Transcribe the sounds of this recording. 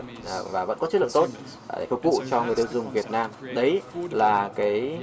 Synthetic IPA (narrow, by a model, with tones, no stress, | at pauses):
vaː˨˩və̰˧˥nkɔ˨˦t͡ɕɨ˦˥t̚lə̰˧˨t̪t̚ | ḛ˧˩fʊ˨˩k̚vṵ˧˨t͡ɕɔ˧ŋɨ˨˩əjɗɨ˧˩wzʊ˨˩ŋ͡mvi˨˩ət̚naː˧mɗə˨˦jlaː˨˩kaː˨˦j